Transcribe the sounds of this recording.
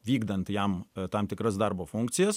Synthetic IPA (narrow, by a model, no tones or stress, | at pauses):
ʋʲiːɡd̪ɐnt̪jɛmt̪ɐmt̪ʲɪkɾɐsd̪ɐɾboːfʊŋk̚tsʲɪjɛs